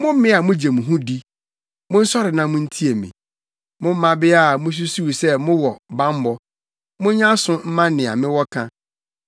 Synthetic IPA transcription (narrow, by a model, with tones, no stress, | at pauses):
mʊ̃˦m̩˦mɪ̃˦a˨mʊ̃˦d͡ʑɛ˨mũ˨ɦũ˦di˦ | mʊ̃˦n̩˦sɔ˦ɾɪ˨nã˦mʊ̃˦n̩˦tʰi˦e˨mɪ̰̃˨ | mʊ̃˦m̩˦mã˦bɪ˦a˨mʊ̃˦s̬u˦su˦wu˨sɛ˦mʊ̃˦wɔ˨bã˦m˦bɔ˨ | mʊ̃˦ɲã˦sʊ̃˦m̩˦mã˦nɪ̃˨a̰˨mɪ̃˦wɔ˦kʰã˦